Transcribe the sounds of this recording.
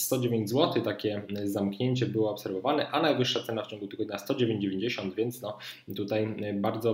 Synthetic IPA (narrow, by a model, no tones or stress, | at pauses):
st̪ɔd͡ʑevʲeɲd͡ʑzwɔt̪ɘt̪akʲɛzamkɲeɲt͡ɕɛbɘwɔːpsɛɾvɔvanɛʔanajvɘʂːat̪sɛnaft͡ɕɔ̃ŋɡut̪ɘɡɔd̪ɲast̪ɔd͡ʑevʲjẽɲd͡ʑd͡ʑevʲeɲd͡ʑeɕɔnd̪vʲjɛnt̪snɔt̪ut̪ajbaɾd̪zɔ